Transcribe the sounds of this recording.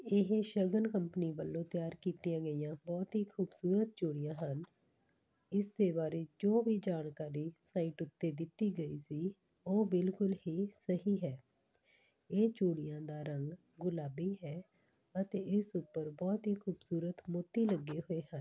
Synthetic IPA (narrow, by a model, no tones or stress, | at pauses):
ɪɦeʃəɡənkəmpəniːʋəlːõːt̪ɪjaːɾkiːt̪ijãːɡəijãːbɔːt̪ɦiːkʰuːbsuːɾət̪̚t͡ʃoːɽɪjãːɦən | ɪsd̪eːbaːɾeːd͡ʒoːʋiːd͡ʒaːnkaːɾiːsaːiːʈʊt̪ːeːd̪ɪt̪ːiːɡəiːsiː | oːbɪlkʊlhiːsəɦiːɦɛː | eːt͡ʃoːɽɪjãːd̪aːɾəŋɡ | ɡʊlaːbiːɦɛː | ət̪eːɪsʊpːəɾbɔːt̪ɦiːkʰuːbsuːɾət̪mot̪ːiːləɡːeːɦoːeːhən